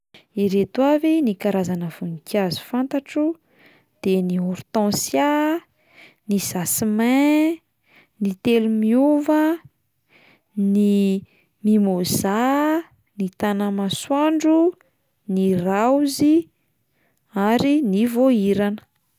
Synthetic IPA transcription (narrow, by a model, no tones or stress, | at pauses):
iɾet̪wavinikaɾazanəv̥unikjazu̥fant̪aʈ͡ʂu | d̪̥eniɔɾt̪ɔ̃sja | nizasimẽ | nit̪elumiuvə | ni | mimoz̥a | nit̪anamaswaɳɖ͡ʐu | nirawzi | aɾinivoiɾanə̥